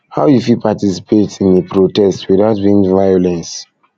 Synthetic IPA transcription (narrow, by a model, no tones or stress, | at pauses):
haʊjufilpatisi̥pʰetĩnepɹotɛstwiðaʊt̚bĩŋvajɔlɛ̃ns